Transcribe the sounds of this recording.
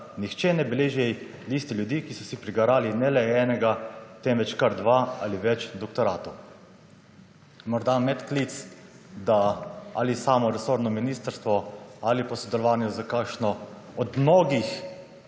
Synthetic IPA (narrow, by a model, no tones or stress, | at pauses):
nixt͡ʃɛnɛbɛleːʒiɛj | list̪iljud̪iːkisɔsipɾiɡaɾaːlinɛlɛɛːnɛɡat̪ɛmʋɛt͡ʃkaɾd̪ʋaa̰liʋɛt͡ʃd̪ɔkt̪ɔɾaːt̪ow | mɔɾd̪amɛt̪klit̪s | d̪aa̰lisaːmɔɾɛsoːɾnɔminiːst̪əɾst̪ʋɔalipɔsɔd̪ɛlɔʋaːnjuzakakʃnɔ | ɔd̪mnoːɡix